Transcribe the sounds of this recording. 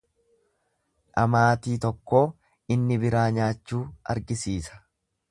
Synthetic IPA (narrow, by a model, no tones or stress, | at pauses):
ᶑɐ̰maːt̪iːt̪ɔkːo̞ː | ɪnːɪbɪɾaːɲaːt͡ʃːuːʔɐ̰ɾɡɪsiːsɐ̥